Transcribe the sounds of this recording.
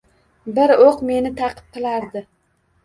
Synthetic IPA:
bɪɾoqme̞nɪt̪ʰɑqʰɨ̥p̚qɨlˠaɾd̪ɪ

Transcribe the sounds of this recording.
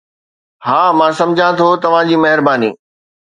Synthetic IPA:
haːmãːsɐ̃md͡ʑʱãt̪ʰot̪ɐʋ̤ãd͡ʑiːmɐɦɪɾbaːnḭː

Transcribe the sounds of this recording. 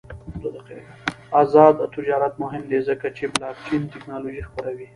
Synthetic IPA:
d̪od̪aqi | azɑd̪t̪ɪd͡ʒɑɾat̪̚mʊɦɪmd̪ezəkat͡ʃeblɑk̚t͡ʃint̪ɪknɑloʒixpəɾawi

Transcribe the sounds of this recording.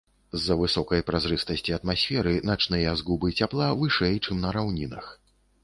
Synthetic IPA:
zːɐvɨsɔkɐjpɾazɾɨst̪ɐsʲt͡sʲiɐt̪masʲfʲɛɾɨnat͡ʂnɨjɐzɡubɨt͡sʲaplˠavɨʂɛjt͡ʂɨmnɐɾawnʲinɐx

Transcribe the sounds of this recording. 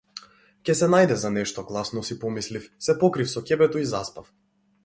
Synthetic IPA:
cɛsɛnajd̪ɛzanɛʃt̪ɔɡlˠasnɔsipɔmislifsɛpɔkɾifsɔcʲɛbɛt̪ɔizaspaf

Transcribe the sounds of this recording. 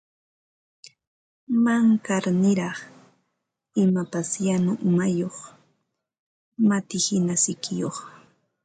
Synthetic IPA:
maŋkaɾnɪɾɑχ | ɪmapasjanʊʔʊmajoχ | mat̪ɪhɪnasɪkɪjoχ

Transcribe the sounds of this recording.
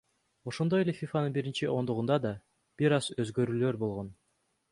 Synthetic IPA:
o̞ʃond̪o̞jelefʲifanɯnbiɾint͡ʃiʔo̞nd̪uʁund̪ɑd̪ɑ | b̥iɾɑzøzɡøɾyːlø̞ɾbo̞lˠʁo̞n

